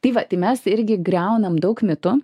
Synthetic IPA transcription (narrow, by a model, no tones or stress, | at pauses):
t̪ɐɪʋɐt̪ɐɪmʲɛsɪɾʲɡʲɪɡɾʲɛʊnɐmd̪ɐʊkmʲɪt̪ʊ